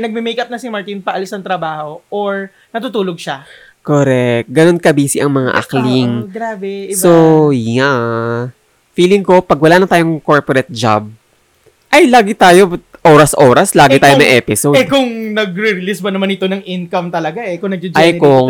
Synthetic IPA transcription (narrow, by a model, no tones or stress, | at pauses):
nɐɡ̚mimejkɐp̚nɐsimɐɹt̪inpɐʔɐlɪsnɐŋt̪ɾɐbaːho̞ʔoɹ | nɐt̪ut̪uːloɡ̚ʃa | koɾɛkk̚t̪̚ɡɐno̞nkɐbiːsɪʔɐŋmɐŋa̰ʔɐ̰kliŋɡɾaːbɛsoŋaʔ | fiːlɪŋko̞pɐɡwɐlaːnɐt̪aːjoŋko̞ɹpoɾɛt̪̚d͡ʒa̰b̚ | ʔɐjlaːɡɪt̪aːjo̞ʔoːɾɐsʔoːɾɐslaːɡɪt̪aːjomɐʔɛːpɪsoɛkʊŋnɐɡɾɪɾɪlisbɐnɐmanɪt̪onɐŋʔinkɐmt̪ɐlɐɡaʔɛkʊŋnɐɡ̚d͡ʒɪd͡ʒɐjkʊŋ